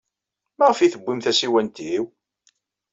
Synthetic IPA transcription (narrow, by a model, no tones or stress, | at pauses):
mæʁəfiθəbːimθæsiwænt̪iw